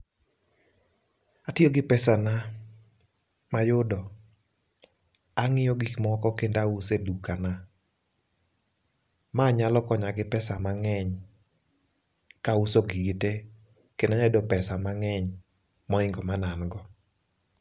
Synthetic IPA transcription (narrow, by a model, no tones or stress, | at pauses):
atioɡɪpɛsana | majʊdɔ | aŋɪjɔɡikmɔkɔkendausedukana | maɲalɔkɔɲaɡɪpɛsamaŋɛɲ | kausoɡɪite | kenaɲɛdɔpɛsamaŋɛɲ | mɔɪŋɡɔmananɡɔ